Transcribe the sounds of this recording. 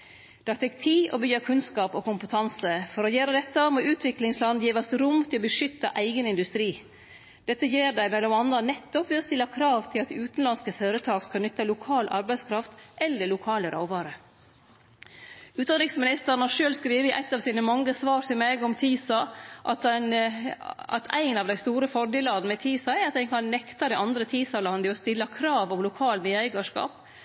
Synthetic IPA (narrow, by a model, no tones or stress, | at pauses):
d̪̥ɑːt̪ʰɛkt̪ʰiːʔɔ̰bʏjəkʰʉnskɑːpoːkʊmpət̪ʰɑnsəfɔɾɔjæːɾəd̪ɛt̪ːɑmoːʔʉːt̪ʰʋɪklɪŋslɑnd̪jiːʋɑsɾʊmt̪ʰɪlɔbəʂʏt̪ːɑ̰ʔæɪɡənɪnd̪ʉst̪ɾiː | d̪̥ɛt̪ːəjeːɖæɪmɛlɔmɑnɑnɛt̪ːɔpʋɪɔst̪ɪlːɑkʰɾɑːʋt̪ʰɪlɑt̪ʉːt̪nlɑnskəføːɾət̪ʰɑːɡskɑnʏt̪ːɑlʊkʰɑːlʔɑ̰ɾbæɪskʰɾɑft̪ʔɛlːəlʊkʰɑːləɾʔa̰ʊʋɑːɾə | ʉːt̪d̪ɑnɾɪŋsmɪnɪst̪əɾɳɑʂøːlskɾiːʋəɪʔæ̰ɪt̪ːɑːʋsiːnəmɑŋːəsʋɑːɾt̪ʰɪlmeːɡɔmt̪ʰiːsɑʔɑt̪ɛn | ɑ̰t̪ʰæ̰ɪnɑːʋd̪æɪst̪uːɾəfɔɖɪlɑːd̪n̩əɪt̪ʰiːsɑɛɾɑt̪d̪æɪkʰɑnnɛkt̪ɑd̪ɛɪʔɑnd̪ɾət̪ʰiːsɑlɑnd̪ɪɔst̪ɪlːɑkʰɾɑːʋɔmlʊkʰɑːlmɪːæɪɡɑʂkɑ̰ːp̚